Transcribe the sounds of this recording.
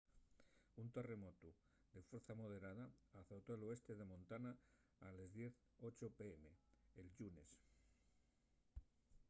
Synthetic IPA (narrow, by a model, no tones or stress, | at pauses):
unt̪e̞re̞mo̞t̪u | d̪e̞fwe̞ɾθamo̞ð̞e̞ɾað̞aːθowt̪oelo̞e̞st̪e̞ðe̞mõ̞nt̪anaː | le̞zðje̞θ | o̞t͡ʃopeeme̞elʝune̞̰s